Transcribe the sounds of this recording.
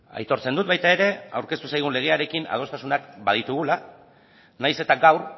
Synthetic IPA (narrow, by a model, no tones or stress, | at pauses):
a̰jt̪o̞ɾt͡se̞nd̪ut̪̚βajt̪ae̞ɾe̞awɾke̞st̪usajɣ̞unle̞ɣ̞e̞aɾe̞kina̰ð̞o̞st̪asunakbað̞it̪uɣula | najse̞t̪aɡawɾ